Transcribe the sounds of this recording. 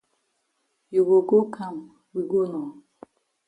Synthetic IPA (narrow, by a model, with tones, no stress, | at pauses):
jo˨ɡo˨ɡo˦kʰa˦˨m̩˨ | wi˨ɡo˦nɔ˨